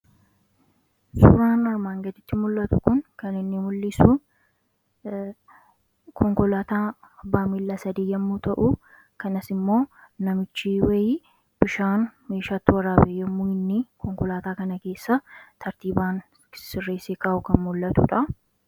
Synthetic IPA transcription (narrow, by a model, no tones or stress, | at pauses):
sʊ̰ɾaːnɐɾmaːŋɡɐd̪ɪt̪ːɪmʊlːɐt̪ʊkʊŋkɐnɪnːɪmʊlːɪsuː | kʰɔŋkɔlaːt̪aːbaːmɪlːasɐd̪iːjɐmːuːt̪ɐʔʊ | kɐnɐsɪmːo̞ːnɐmɪt͡ʃːiwɐjiː | b̥ɪʃaːnme̞ːʃaːt̪ːɪwɐrːaːbeːjːɐmːʊɪnːɪkʰɔŋkɔlaːt̪aːkɐnɐke̞ːsːɐt̪ʰɐɾt̪iːbaːn | sɪrːe̞ːseːkaːʔʊkɐnmʊlːɐt̪ʊ̰ᶑɐ